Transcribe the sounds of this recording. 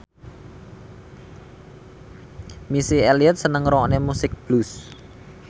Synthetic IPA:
misieliət̪̚sənəŋɾɔnemusɪk̚b̥lus

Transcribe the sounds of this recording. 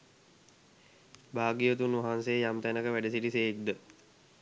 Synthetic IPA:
baːɡijət̪unʋaɦansejəjamt̪ænəkəʋæɖesiʈiseːk̚d̪ə

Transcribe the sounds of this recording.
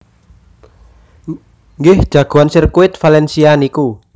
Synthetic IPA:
ŋɡɪhd̥ʒ̥aɡ̥uansirkuɪt̪̚falɛnsianiku

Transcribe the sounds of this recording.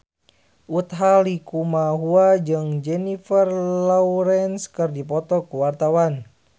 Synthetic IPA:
ʔut̪ɦalikumaɦuad͡ʒɨŋd͡ʒɛnifərlɔuɾɛnskɨrdipɔt̪ɔkuwart̪awan

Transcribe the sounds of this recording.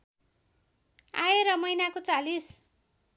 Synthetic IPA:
a̰eɾʌmʌjnakot͡salis

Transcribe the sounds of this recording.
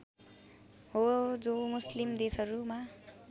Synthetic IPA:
ɦod͡zomuslimd̪esʌɾuma

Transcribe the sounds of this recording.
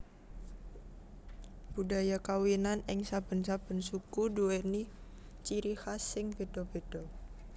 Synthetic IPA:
b̥udajakawinanɛŋsab̥ə̤nsab̥ə̤nsukuduɛni | t͡ʃiɾihasɪŋbedɔb̥ed̥ɔ

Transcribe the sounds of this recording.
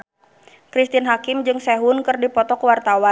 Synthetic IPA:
kɾist̪inɦakɪmd͡ʒɨŋsɛɦʊnkɨrdipɔt̪ɔkəwart̪awan

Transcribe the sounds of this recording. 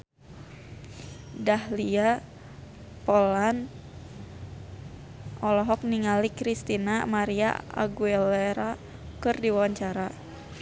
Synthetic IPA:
dahlia | pɔlan | ʔɔlɔɦɔk̚niŋalikɾist̪inamaɾia̰a̰ɡuɛlɛɾa | kɨrdiwawaɲt͡ʃaɾa

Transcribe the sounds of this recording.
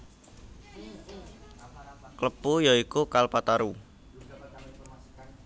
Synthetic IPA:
kləpujaikukalpat̪aɾu

